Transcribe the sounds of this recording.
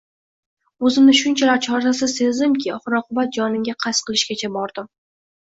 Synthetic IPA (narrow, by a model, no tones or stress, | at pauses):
ɵzɪmnɪʃʊnt͡ʃʰalaɾt͡ʃʰɒɾd̪asɪsezd̪ɪmkʲʰɪɒχɨɾɒqʰʊbat̪̚d͡ʒɒnɪmɡʲaqʰɑsqʰɨlˠɪʃkʲat͡ʃʰabɒɾd̪̥ɪm